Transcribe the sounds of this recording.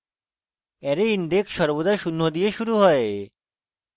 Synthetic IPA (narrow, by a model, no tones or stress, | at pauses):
ɛɾeinɖeksʃɔɾbod̪aʃunːod̪ijeʃuɾuɦɔe